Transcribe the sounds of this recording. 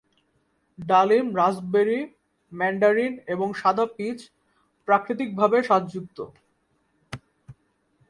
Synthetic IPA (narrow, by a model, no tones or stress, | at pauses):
ɖalimɾad͡ʑbeɾi | mɛɳɖaɾineboŋʃad̪ʱapit͡ɕʰ | pɾakɾit̪̬ik̚bʱabeʃad̪d͡ʑuk̚t̪o̰